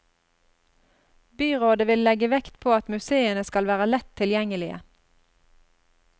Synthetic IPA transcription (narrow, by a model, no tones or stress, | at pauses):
byːʁoːd̪əʋɪllɛɡəʋɛkt̪pʰoːɑt̪mʉseːənəskɑlʋæːʁəlɛt̪ʰːɪljɛŋəlɪə̰